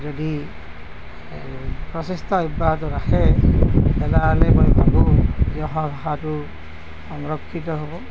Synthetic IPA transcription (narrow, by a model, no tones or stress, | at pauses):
d͡ʒɔdi | pɹɔsest̪ɔibat̪ɔɾaxe | bɛlalebɔjbʰʱakujɔɦɔbʱɦatu | ɔŋɹɔkʰːit̪ɔɦobɔ